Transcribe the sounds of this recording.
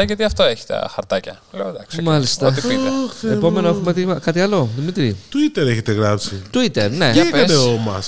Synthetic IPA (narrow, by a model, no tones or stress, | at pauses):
ɐʝɐt̪iɐft̪oeçi̥t̪ɐ̰xɐɾt̪ɐcɐ̰ | leod̪ɐksmɐlist̪ɐoipiepo̞me̞noexumet̪ikɐt̪iɐlo̞ðimit̪ɾit̪uit̪e̞ɾeçet̪e̞ɣɾɐpsit̪uit̪e̞ɾne̞epkɐsneomɐs